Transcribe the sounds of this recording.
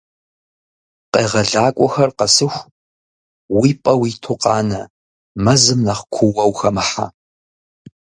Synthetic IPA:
qeːʁɐɮaːkʷʼɔxɐrqɐsɨxʷ | wiːpʼɐwiːtʰʊqɑːnɐ | mɐzɨmnɐχkʷʰʊwɐwxɐmɨħa̰

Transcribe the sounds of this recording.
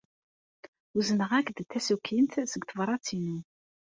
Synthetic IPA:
uzənəʁækd̪t̪ːæsukʰːint̪səɡt̪əvɾˤɑt͡sːinu

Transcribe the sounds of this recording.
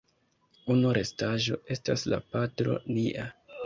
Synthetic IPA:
unuɾe̞staʒo̞̰e̞stasla̰patɾo̞̰niʔa

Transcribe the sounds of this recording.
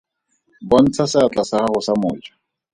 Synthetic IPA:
bɔn̩t͡sʰasɪat͡ɬʼasahahʊsamʊ̰ːt͡ʃʼḁ

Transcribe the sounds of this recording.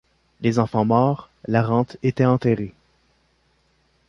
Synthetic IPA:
lezɑ̃fɑ̃mɔːʁ | laʁɑ̃t̪et̪ɛɑ̃t̪ɛʁe

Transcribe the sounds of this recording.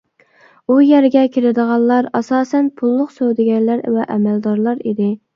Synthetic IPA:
ujɛɾɡʲɛkʲʰeɾɪd̪əʁɑnˠlːˠɑɾɑsɑːsɛnpʰulˠːʊqsøwd̪ɪɡʲɛɾlæɾvɛʔɛmæld̪ɑɾlˠɑɾid̪ɪ

